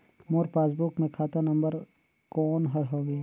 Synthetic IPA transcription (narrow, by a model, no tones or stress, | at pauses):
moːɾpaːsbukmẽkʰaːt̪anɐ̃mbəɾ | kɔːnɦɐɾɦoːɡɐjaː